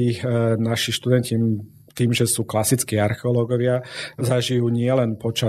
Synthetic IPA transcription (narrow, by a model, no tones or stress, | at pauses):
inaʃiʃt̪ud̪ɛnci | t̪iːmʒɛsuːklasit͡skiːaɾxɛɔlɔɡɔʋɪazaʒijuːɲɪɛlɛnpɔt͡ʃa